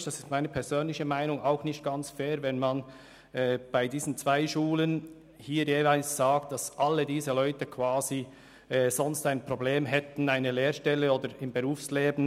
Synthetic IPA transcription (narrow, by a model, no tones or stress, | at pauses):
d̥ɑsɪstmaɪnəpʰɛz̥øːnlɪçəmaɪnʊŋaʊxnɪçt̚ɡ̥ant͡sfɛːɾvɛnman | ɛb̥aɪdiːz̥n̩t͡sv̥aɪʃuːlən | hiːɾjeːvaɪlsz̥aːktd̥asʔalːədiːzəlɔʏtəkʰv̥aːzi | ɛːz̥ɔnstaɪnpʁobleːmɦɛtn̩aɪnəleːɾʃtɛlːəoːdəɾɪmbəʁuːfsleːbn̩